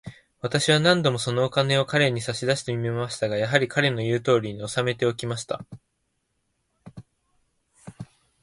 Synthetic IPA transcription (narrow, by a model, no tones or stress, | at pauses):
β̞at̪aɕiβanãnd̪o̞mo̞so̞no̞ːkane̞o̞kaɾe̞ɲ̟isaɕid̪aɕi̥t̪e̞mʲimemaɕi̥t̪aɡajaɦaɾʲikaɾe̞no̞jɯ̟ːt̪o̞ːɾʲiɲ̟io̞same̞t̪e̞o̞kʲimaɕi̥t̪a̰